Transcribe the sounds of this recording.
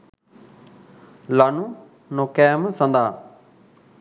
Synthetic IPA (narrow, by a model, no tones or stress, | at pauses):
laːnũː | noːkɛːmsə̃nd̪aː